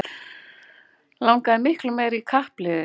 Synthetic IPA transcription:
lawŋkaɪmɪhklʏmeːjɾikʰahplɪðʏ

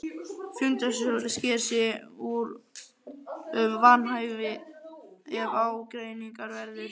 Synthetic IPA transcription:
fjʏnt̪ɛsʏscɪɾsɪuɾ | ʏmvanɦaːjvɪ | ɛvaːwkɾejniŋkaɾvɛɾðʏɾ̥

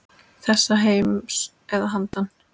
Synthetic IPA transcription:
θɛsːaɦeːjms | ɛðaɦant̪an

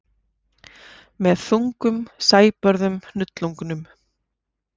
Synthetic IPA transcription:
mɛðθuŋkʏmsaːjpœɾðʏmnʏt̪lɔŋknʏm

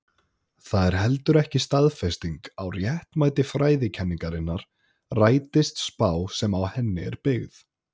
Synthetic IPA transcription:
θaðɛɾ̥ɦɛlt̪ʏɾɛhcɪst̪aðfɛst̪iŋkawrjɛht̪maːjt̪ɪfɾaːjðɪcʰɛnːiŋkaɾɪnːaɾ̥ | raːjt̪ɪst̪spaːwsɛmawhɛnːɪɛɾpɪɣð

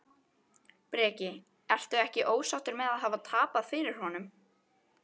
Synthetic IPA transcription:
pɾɛːcɪ | ɛl̥t̪ʏðɛhcɪʔoːwsawt̪ʏɾmɛðaðɦaːvat̪ʰaːpaðfɪɾɪɾ̥hɔnʏm

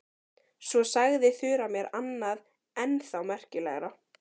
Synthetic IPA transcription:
svɔsaɣðɪθʏːɾamjɛɾanːað | ɛnθawmɛr̥cɪlɛ̰ɣɾa

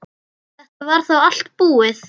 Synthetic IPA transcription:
θɛht̪avaɾ̥θawal̥t̪̚puːɪθ

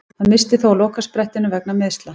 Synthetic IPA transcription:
haðmɪst̪ɪθowalowhkaspɾɛht̪ɪnʏvɛk̚namɛðst̪la

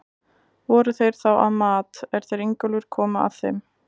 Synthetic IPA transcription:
vɔːɾʏθejɾ̥θawʔa̰ðmaːt̪ɛɾ̥θejɾeɲkʏlʏɾ̥kʰɔːmaa̰ðθejm

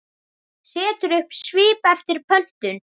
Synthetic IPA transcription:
sɛːt̪ʏɾʏhpsviːpɛft̪ɪɾ̥pʰœn̥t̪ʏn

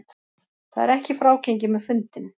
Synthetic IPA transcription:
t̪ | θa̰ðɛ̰ɾɛhcɪfɾaːwcejɲc̬ɪmɛðfʏnt̪ɪn

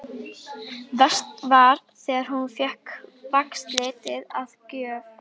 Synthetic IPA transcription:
vɛst̪vaɾ̥ | θɛːɣaɾ̥hunfjɛhkvakst̪lɪːt̪ɪðaðcœːv

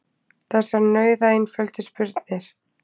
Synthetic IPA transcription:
θɛsːaɾnœːɥðaejnfœlt̪ɪspʏɾt̪nɪɾ̥

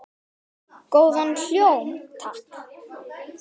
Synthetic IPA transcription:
koːwðanljowmt̪ʰak

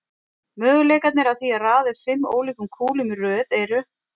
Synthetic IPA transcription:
mœːɣʏleːjkat̪nɪɾawθiaðraːðɪɾ̥fɪmːo̰ːwliːkʏmkʰuːlɪmrœːðɛɾʏ

